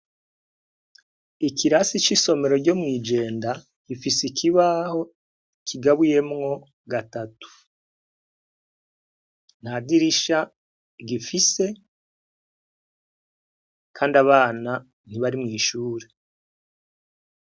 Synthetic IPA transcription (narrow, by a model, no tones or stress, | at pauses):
ikiɾasit͡ʃiso̞me̞ɾo̞ɟo̞mŋiːd͡ʒe̞ːnda | kifisikʰiβaːho̞ | kʰiɡaβuje̞mŋo̞ | ɡatatu̥ | n̥hadiɾiʃa | ɡifise̞ | kʰaːndaβaːna | n̥iβaɾimŋiːʃuːɾe